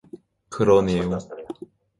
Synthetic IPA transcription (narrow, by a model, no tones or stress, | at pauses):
kɯɾʌnejo